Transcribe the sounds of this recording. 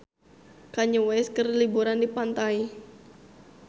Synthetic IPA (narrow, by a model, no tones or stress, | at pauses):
kaɲəwɛskərlibuɾandipant̪ai